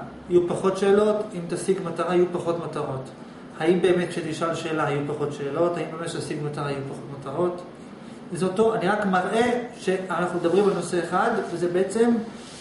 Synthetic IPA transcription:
ajupaχo̞tʃe̞ːlo̞timt̪asiɡmataʁaajupaχo̞tmataʁo̞t | haimbe̞ːme̞tʃet̪iʃalʃeːlaajupaχo̞tʃe̞ːlo̞thaimbe̞metʃetasiɡmataʁaajupaχo̞tmataʁo̞t | zotoaniʁakmaʁʔe̞ʃe̞anaχnumed̪abʁimalno̞se̞eχad̪vezebeet͡se̞m

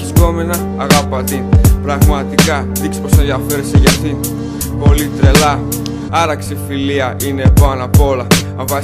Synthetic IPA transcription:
ist̪o̞me̞nɐːɣɐpɐt̪ipɾɐɣmɐt̪ikɐ | ðikspo̞se̞nðiɐfe̞ɾeseʝɐt̪i | po̞lit̪ɾe̞lɐ | ɐɾɐksifiliɐʔine̞pɐnɐpoolɐɐɱvɐ

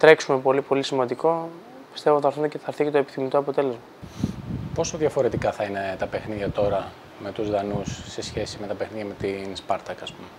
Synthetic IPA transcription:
t̪ɾe̞ksume̞po̞lipo̞lisimɐnd̪iko̞ | pist̪e̞voθɐɾfund̪eceθɐɾθicet̪oe̞pi̥θimit̪oɐpo̞t̪e̞le̞zmɐ | po̞soðjɐfo̞ɾe̞t̪ikɐθɐine̞t̪ɐpe̞xniðjɐt̪o̞ɾɐ | me̞t̪uzðɐnusːe̞sçe̞sime̞t̪ɐpexniðjɐme̞t̪inspɐɾt̪ɐkɐspume

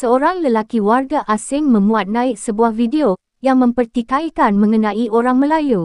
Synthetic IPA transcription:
səoɾaŋləlakiwarɡaʔasɪŋmə̃mbuat̪̚nãɪk̚səbuahvideo | jaŋmə̃mpərt̪ikajkanmə̃ŋənãiʔoɾaŋmə̃laju

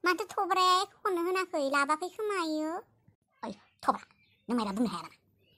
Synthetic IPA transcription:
mantɯt̪ʰobɾɛkʰhʰɔnɯɦɯnakʰɯjlabakʰɯjkʰɯmajɯ | ɯj | t̪ʰɔbɾa | nɯmajɾabɯnɯɦajaɾana

